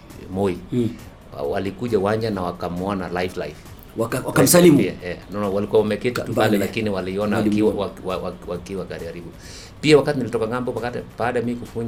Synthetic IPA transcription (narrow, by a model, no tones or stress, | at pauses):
mɔi | a̰walikuʄawaɲanawakamɔnalajflajf | awaasalimpia̰ɛnɔnɔwalikuwaɔmɛkɛtmbalɛlakiniwaliɔnaakiwawawawawakiwakaɾiaɾiɓu | piawakatinilitɔkaŋambɔpakatpaːɗamiikufuɲ